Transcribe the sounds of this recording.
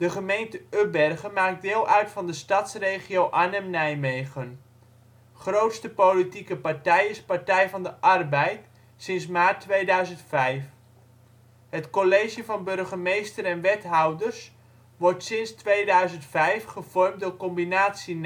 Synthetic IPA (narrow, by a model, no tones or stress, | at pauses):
d̥əχəmejntəøbɛrχəmaːk̚dɪːlˠʔœɥtfɑndəstɑtsrejχiowʔanɛmnɛjmejχən | χrowtstəpolitikəpaɹtɛjɪspaɹtɛjvɑndəʔɑrbɛjt | sɪnsmaːtːʋejdœɥzəntfɛjf | ɦətkolejʒəvɑnbɵrχəmejstəɾɛnʋɛtɦɑwdərs | ʋɔrtsɪnstʋejdœɥzəntfɛjfχəv̥ɔrmtdʊːrkɔmbinaːtsin